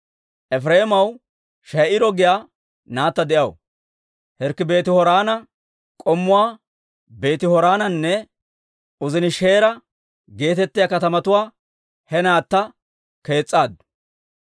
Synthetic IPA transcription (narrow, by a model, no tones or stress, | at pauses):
ʔɛfɾeːmɐw | ʃɐjʔɪɾɔɡɪjaː | naːt̪ːɐd̪ɛʔɐw̰ | hɛɾkːɪbe̞ːt̪ɪhɔɾaːnɐ | kʼɔmːʊwaː | be̞ːt̪ɪhɔɾaːnɐnːɛ | ʊzɪnɪʃe̞ːɾɐ | ɡe̞ːt̪ɛt̪ːɪjakɐt̪ɐmɐt̪ʊwaː | hɛnaːt̪ːɐ | ke̞ːt͡sʼːaːd̪ʊ̥